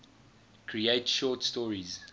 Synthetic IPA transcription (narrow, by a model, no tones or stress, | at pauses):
kʰɹieɪtʃɔːˑtstɔːɹiz